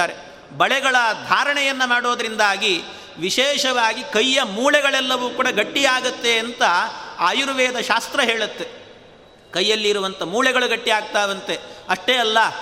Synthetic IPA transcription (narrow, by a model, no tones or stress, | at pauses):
aːɾe | bɐɭɛɡɐɭɐd̪ʱaːɾɐɳɛjɐnːɐmaːɽo̞ːd̪ɐɾind̪aːɡi | ʋiʃɛːʃɐʋaːɡikɐjːɐmuːɭɛɡɐɭɛlːɐʋuːkuːɽɐɡɐʈːiaːɡɐt̪ːe̞ːnt̪ɐaːjuɾʋɛːd̪ɐʃaːst̪ɾɐɦeːɭut̪ːe̞ | kɐjːɐlːiːɾuʋɐnt̪ɐmuːɭɛɡɐɭuɡɐʈːiaːɡ̚t̪aːʋɐnt̪e̞ɐʂʈeɐlːɐ